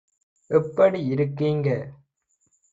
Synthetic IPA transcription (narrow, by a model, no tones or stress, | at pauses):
ʔɛpːɐɽiɪɾɯkːiːŋɡɐ